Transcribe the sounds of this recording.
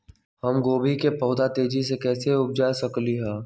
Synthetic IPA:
hɐmɡoːbʱikepɐːd̪at̪eːd͡ʒisekɛːseʊp̚d͡ʒaːsɐkliɦɛ̃ː

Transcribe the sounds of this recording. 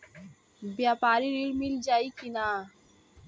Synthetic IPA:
bjaːpaːɾiɾiɽmild͡ʒaːikinaː

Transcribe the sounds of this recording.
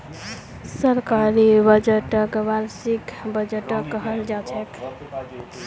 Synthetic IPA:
səɾkaɾibəd͡ʒeʈəkbaɾsikbəd͡ʒəʈəkːəɦəld͡ʒat͡ʃʰɛk

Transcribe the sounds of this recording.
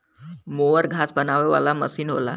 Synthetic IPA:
moʋəɾɡʱasbənaʋeʋa̰lamə̰siːnɦo̰la̰

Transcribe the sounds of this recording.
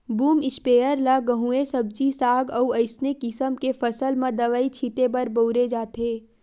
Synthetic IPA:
buːmɪspeːəɾlaɡəɦũesɐb̚d͡ʒisaːɡɐuɐɪsnekɪsəmkefɐsəlmãd̪ɐʋaːit͡ʃʰit̪ebɐɾboːɾed͡ʒaːt̪ʰeː

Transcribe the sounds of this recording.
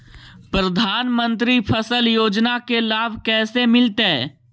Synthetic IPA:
pɾəd̪ʱaːnmə̃nt̪̬ɾipʰəsəljoːd͡ʒnakelaːbʱkɛːsemɪlt̪eɛ

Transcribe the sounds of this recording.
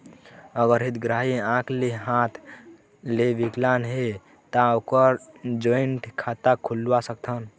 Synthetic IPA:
əɡəɾɦit̪ɡɾaɦiãkʰleɦãt̪ʰ | lebiklanɦe | t̪ãokəɾd͡ʒoiɳʈkʰat̪akʰulwasəkt̪ʰən

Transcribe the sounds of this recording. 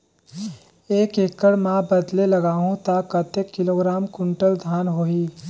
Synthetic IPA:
eːkekːəɽmãbəd̪leləɡaːɦũt̪akət̪ekːɪloːɡɾaːmkʊ̃ɳʈəld̪ʱaːnɦoːiː

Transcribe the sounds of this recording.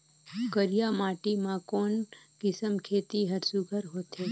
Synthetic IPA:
kəɾjamaːʈimãkoːnkɪsəmkʰeːt̪iɦəɾsuɡʱəɾɦot̪e

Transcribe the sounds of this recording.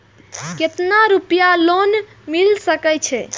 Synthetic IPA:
ket̪naɾupjalon | milsəkɛt͡ʃʰɛ

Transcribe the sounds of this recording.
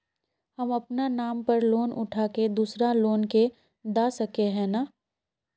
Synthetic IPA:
hɐmɐpnanaːmpɐɾloːnʊ̰ʈʰaːked̪uːsɾaloːnke | d̪aːsɐkeɦɛ̃ːnaː

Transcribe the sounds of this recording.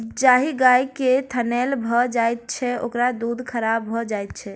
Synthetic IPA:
d͡ʒaɦiɡajket̪ʰənɛlbʱɔd͡ʒajt̪̚t͡ʃʰɛokɾad̪ud̪ʱkʰəɾabbʱɔd͡ʒajt̪̚t͡ʃʰɛ

